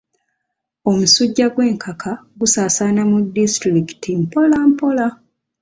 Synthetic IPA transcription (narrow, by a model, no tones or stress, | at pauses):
o̞musuɟːaɡwe̞ːŋkʰakʰaɡusaːsaːnamudːistɾiki̥tʰimpo̞lampo̞la